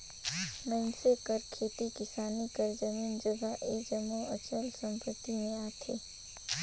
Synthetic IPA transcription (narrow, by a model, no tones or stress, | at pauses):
mənsekəɾkʰet̪ikɪsanikəɾd͡ʒəmind͡ʒəɡʱaʔed͡ʒəmoət͡ʃəlsə̃mpət̪ineat̪ʰe